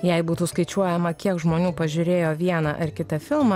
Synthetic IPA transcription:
jɛɪbuːt̪uːskɐɪt͡ʃʲuɔjɛmɐkʲiɛkʒmoːnʲuːpɐʒʲʊɾʲeːjoːʋʲiɛnɐʔɐɾkʲɪt̪ɐfʲɪlˠmɐ

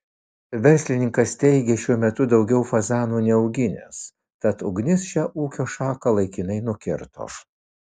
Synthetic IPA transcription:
ʋʲɛɾʲsʲlʲɪnʲɪŋkɐst̪ʲɛɪɡʲɛʃʲuɔmʲɛt̪ʊd̪ɒʊɡʲɛʊfɐzɑːnuːnʲɛɐʊɡʲɪnʲḛs | t̪ɐt̪ʊɡnʲɪsʃʲæːʔuːkʲoːʃɑːkɐlˠɐɪkʲɪnɐɪnʊkʲɪɾt̪o̰ːs

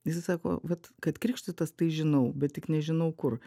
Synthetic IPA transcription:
jɪsɐɪsɑːko̰ːʋɐt̪kɐt̪kɾʲɪːkʃt̪ʊt̪ɐst̪ɐɪʒʲɪnɐʊbʲɛt̪̚tʲɪknʲɛʒʲɪnɐʊkʊr

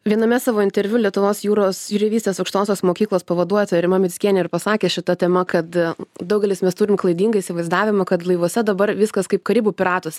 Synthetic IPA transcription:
ʋʲiɛnɐmʲɛsɑːʋoːɪnʲt̪ʲɛɾʲʋʲʊlʲiɛt̪ʊʋoːsjuːɾoːsjʊɾʲɪʋʲiːsʲt̪ʲeːsɐʊkʃt̪oːsʲoːsmoːkʲiːklˠoːspɐʋɐd̪uɔjɛt̪oɪɾɪmɐmʲɪsʲkʲiɛnʲɛɪrpɐsɑːkʲeːʃʲɪt̪ɐt̪ʲɛmɐkɐt̪d̪ɐʊɡʲɛlʲɪsmʲɛst̪uːɾʲɪmklˠɐɪd̪ʲiːŋɡɐisʲɪʋɐɪzd̪ɑːʋʲɪmɐkɐt̪lˠɐɪʋoɔsʲɛd̪ɐbɐɾʋʲɪskɐskɐɪpkɐɾʲɪbuːpʲɪɾɑːt̪osʲ

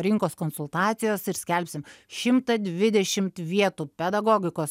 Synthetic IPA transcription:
ɾʲɪŋkoːskoːnsʊlˠt̪ɑːt̪sʲɪjoːsɪɾsʲkʲɛlʲpʲsʲɪmʃʲɪmt̪ɐd̪ʲʋʲɪd̪ʲɛʃʲɪmt̪ʋʲiɛt̪uːpʲɛd̪ɐɡoːɡʲɪkoːs

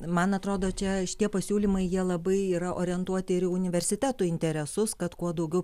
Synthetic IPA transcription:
mɐnɐt̪ɾoːd̪oːt͡ʃʲɛʃʲɪ̥t̪iɛpɐsʲuːlʲimɐɪjiɛlˠɐbɐɪiːɾɐʔoːɾʲɪɛnt̪uɔt̪ʲɪɪɾɪʊnʲɪʋʲɛrʲsʲɪt̪ʲæːt̪uːɪnʲt̪ʲɛɾʲɛsʊskɐt̪kuɔd̪ɐʊɡʲɛʊ

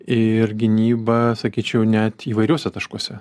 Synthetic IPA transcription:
ɪɾɡʲɪnʲiːbɐsɐkʲiːt͡ʃʲɛʊnʲɛt̪iːʋɐɪɾʲuɔsʲɛt̪ɐʃkuɔsʲɛ

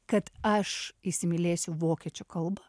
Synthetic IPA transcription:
kɐt̪ɐʃisʲɪmʲɪlʲeːsʲʊʋoːkʲɛt͡ʃʲoːkɐlˠbɐ

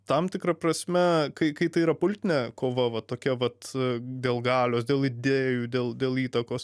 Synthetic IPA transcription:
t̪ɐmt̪ʲɪkɾɐpɾɐsʲmʲɛkɐɪkɐɪt̪ɐɪiɾɐpʊlʲt̪ʲɪnʲɛkoːʋɐʋɐtt̪ːoːkʲɛʋɐt̪d̪ʲeːlˠɡɑːlʲoːsdʲeːlˠɪd̪ʲeːjuːd̪ʲeːlˠd̪ʲeːlˠiːt̪ɐkoːs

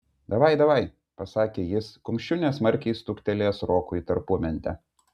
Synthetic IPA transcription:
d̪ɐʋɐɪd̪ɐʋɐɪ | pɐsɑːkʲeːjɪskʊmʲʃʲʊnʲeːsmɐɾʲkʲɛɪst̪ʊkʲt̪ʲɛlʲeːsɾoːkʊit̪ɐɾpuɔmʲɛnʲt̪ʲɛ̰

